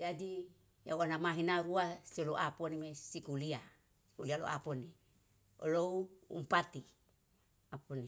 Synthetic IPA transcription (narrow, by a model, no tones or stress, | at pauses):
d͡ʒadi | ja̰wanamaɦinaɾuasioloʔaponimesikulia | si̥kulialo̰ʔa̰poni | o̰lowṵmpat̪i | aponi